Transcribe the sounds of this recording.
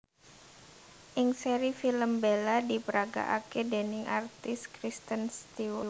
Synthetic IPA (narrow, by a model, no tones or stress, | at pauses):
ʔɪŋseɾifiləmbeladipəɾaɡa̰ʔakedɛnɪŋʔart̪ɪskɾist̪ənst̪iwə